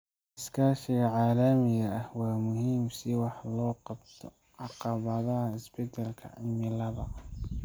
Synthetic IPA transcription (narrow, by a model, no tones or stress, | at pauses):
ɪskʰaːʃɪɣɐʕaːlɐmɪɣɐɐhwaːmʊhiːmsɪwɑħlɔːqɑbt̪ʰɔ | ʕɑqɑβɐðɐhɐɪsbɛd̪ɐlkʰɐ̰ʕɪ̰lmɪlɐβɐ